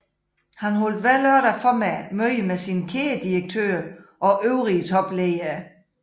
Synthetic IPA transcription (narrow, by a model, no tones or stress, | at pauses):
hænhold̥ʋæløɐɾ̥ɐfɒ̽mæmøɪəmesinəkʰeːɐd̥ieɡ̥̚t͡sʰø̰ːɐʔɒ̽ʔøʊʁiət͡sʰɒ̽b̥leɪɐ